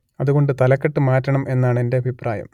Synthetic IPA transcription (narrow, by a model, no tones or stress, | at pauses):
ɐðuɣo̞ɳɖɨt̪ɐlɐkːɐʈːɨmaːtːɐɳɐmʔe̞nːaːɳende̞ɐbʱipraːjɐ̰m